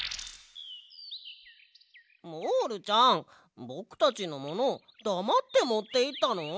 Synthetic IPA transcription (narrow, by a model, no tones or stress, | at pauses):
moɾɯ̟t͡ɕãŋ | bo̞kɯ̥t̪at͡ɕino̞mo̞no̞ | d̪̥amat̪ːe̞mo̞t̪ːe̞it̪ːano